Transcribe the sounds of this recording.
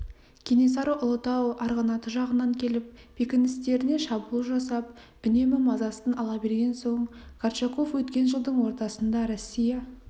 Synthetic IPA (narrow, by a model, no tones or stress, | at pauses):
kʲʰenes̬ɑɾuʔʊlˠət̪ɑwɑɾʁɑnɑt̪əʒɑʁənɑŋkʲʰe̞lɪp̚b̥ekʲɪnɪst̪e̞ɾɪne̞ʃɑbulˠəʒɑsɑp̚ | bʏne̞mɪmɑzɑst̪ənɑlˠɑbe̞ɾɡʲe̞nso̞ɴkʰart͡ʃeqo̞fwɵt̪kʲe̞nʒəlˠd̪əɴwo̞ɾt̪ɑsənd̪ɑɾosʲːijɑ